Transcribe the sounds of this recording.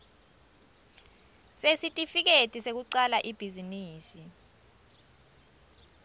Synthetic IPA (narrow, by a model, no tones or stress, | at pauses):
sesitʼifik̬etʼisek̬uǀalaʔib̥ʱiziniːsi